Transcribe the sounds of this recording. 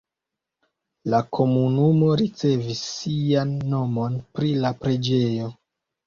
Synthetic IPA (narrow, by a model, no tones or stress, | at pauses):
lakʰo̞munumo̞ɾit͡se̞visːianːo̞mo̞npɾilapɾe̞d͡ʒe̞jo̞